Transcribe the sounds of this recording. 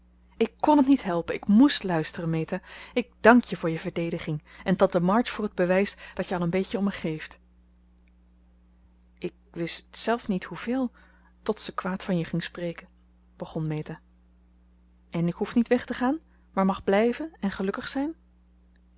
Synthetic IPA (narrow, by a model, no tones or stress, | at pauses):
ɪkːɔnətnitɦɛlˠpənɪkmustlœɥstərənmejtaɪk̚d̥ɑŋkjəvʊːɹjəvəɹdejdəχɪŋɛntɑntəmɑɹtfʊːɹəd̚bəʋɛjsd̥ɑtjəɑlˠənbejcəɔməχejft | ʔɪk̚ʋɪstsɛlˠfnithuv̥ɪːlˠ | tɔtsəkʋaːtfɑnjəχɪŋsprejkən | b̥əχɔnmejta | ʔɛnɪkɦufnitʋɛχtəχaːn | maːɹmɑχblɛjvənɛnχəlɵkəχsɛjn